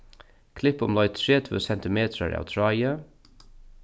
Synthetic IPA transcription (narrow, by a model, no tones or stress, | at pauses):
kʰlɪpʊmlɔʏt̪ʰɹeːt̪ʰʉ̰ːsɛnt̪ɪmeːt̪ʰɾəɹɑ̰ːt̪ʰɹɑɪə